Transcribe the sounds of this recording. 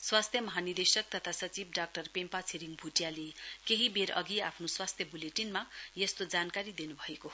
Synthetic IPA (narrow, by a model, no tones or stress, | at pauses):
swast̪ʰjʌmʌɦanird̪esʌk̚t̪ʌt̪ʰasʌt͡sibɖak̚ʈʌrpempat͡sʰeɾiŋbʱuʈjalekeɦibeɾʌ̰ɡiapʰnoswast̪ʰjʌbuleʈinmajest̪od͡zankaɾid̪inubʱʌeko